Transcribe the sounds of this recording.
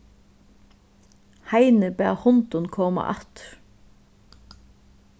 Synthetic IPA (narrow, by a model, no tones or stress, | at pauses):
haɪnəbæ̰ːhʊnt̪ʊnkʰɔːma̰ʔɑt̪ɾ